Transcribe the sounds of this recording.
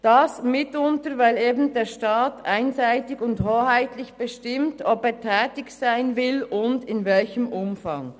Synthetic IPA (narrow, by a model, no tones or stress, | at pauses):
d̥ɑsmɪtʊntəɾvaɪleːbn̩deːɾʃtaːtʰʔaɪnzaɪtɪɡʊndhoːhaɪtlɪçb̥əʃtɪmtɔpeːtʰɛːtɪçsaɪnvɪlʔʊndɪnvɛlçəmʔʊmfɑŋ